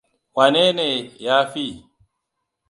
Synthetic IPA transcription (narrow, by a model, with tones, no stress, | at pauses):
wa˨ne˦ne˨jaː˦fi˦˨